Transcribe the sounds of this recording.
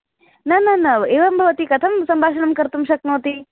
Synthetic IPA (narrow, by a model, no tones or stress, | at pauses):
nɐnɐnɐeʋɐmbʱɐʋət̪ikɐt̪ʰɐmsɐmbʱaːʃənəmkəɾt̪umʃɐk̚noːt̪i